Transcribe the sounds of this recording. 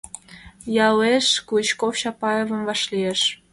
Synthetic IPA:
jɑleʃkut͡ɕkofʃɑpɑjevə̆mvɑʃlieʃ

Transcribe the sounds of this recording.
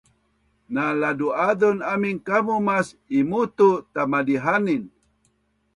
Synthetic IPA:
naladuadɔnamiŋkamumasimut̪ut̪amadiɦanin

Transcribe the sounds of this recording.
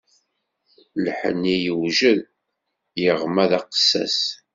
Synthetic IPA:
lħə̰nːijəwʒəð | jəʁmæðɑqə̥sːæ̰s

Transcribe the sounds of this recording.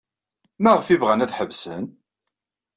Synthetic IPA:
mæʁəfivʁænæðħəvsən

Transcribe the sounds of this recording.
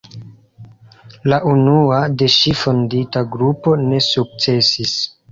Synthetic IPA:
laʔunuade̞ʃifo̞nditaɡɾupo̞ne̞suk̚t͡se̞sis

